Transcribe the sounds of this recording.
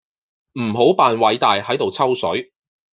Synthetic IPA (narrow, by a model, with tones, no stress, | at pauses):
m̩˨˩ɦo˨˥wpaː˨˧nwɐ˨˥jt̪aː˨jhɐ˨˥jt̪o˨wt͡sʰɐ˥wsɵ˨˥ɥ